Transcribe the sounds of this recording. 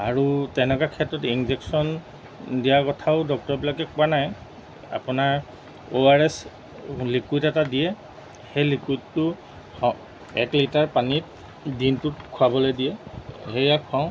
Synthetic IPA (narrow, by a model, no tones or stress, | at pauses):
a̰ɹutɛnɛkakʰɛtːɹɔtinzɛksɔn | dijakɔtʰaʊdɔk̚tɔɹbilakɛkuanaj | a̰pʊnaɹ | oaɹɛs | likuitɛtadijɛ | xejlikwitːʊ | hɔ | ɛtlitaɹpanit̚ | dintʊtkʰuabɔlojdijɛhejakʰuaʊ̃